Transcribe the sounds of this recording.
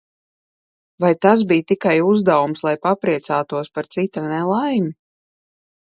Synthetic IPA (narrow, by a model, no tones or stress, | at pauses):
vajt̪as̬biːjt̪ikajuzd̪awumslˠajpapɾiɛt̪saːt̪uɔspaɾt̪sit̪anɛlˠajmi